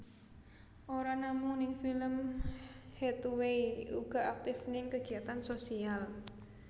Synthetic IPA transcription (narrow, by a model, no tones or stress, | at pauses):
ʔoɾanamʊŋnɪŋfiləm | het̪uweiuɡ̥a̤ʔak̚t̪ɪfnɪŋkəɡ̥i̤at̪ansosial